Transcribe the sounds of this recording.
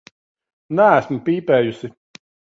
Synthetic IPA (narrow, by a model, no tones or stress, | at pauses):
nææsmpʲiːpɛːjusi